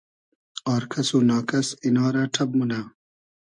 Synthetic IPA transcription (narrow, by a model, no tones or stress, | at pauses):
aːɾkʰɐsuːnaːkɐsinaːɾaʈʰɐb̚munaː